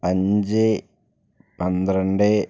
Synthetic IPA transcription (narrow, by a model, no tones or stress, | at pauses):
ɐɲd͡ʑɨ | pɐnd̪ɾɐɳɖɨ